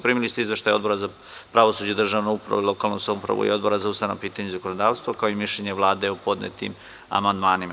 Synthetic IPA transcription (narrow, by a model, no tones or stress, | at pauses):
pɾiːmilist̪eizʋe̞ʃt̪ajo̞d̪bo̞ɾaza | pɾaʋosuːd͡ʑed̪r̩ʒaːʋnoupɾa̰ʋuilo̞kaːlˠnosamupɾa̰ʋṵḭo̞d̪boɾazaust̪aʋnapiːt̪aɲezakonod̪aːʋst̪ʋakaoimiʃʎeɲeʋlˠaːd̪eupo̞d̪nḛt̪ḭm | a̰mand̪maːnima̰